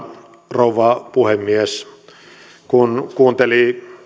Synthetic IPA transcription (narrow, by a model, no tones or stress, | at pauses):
rouʋɑpuhemːies | kunkuːnt̪eli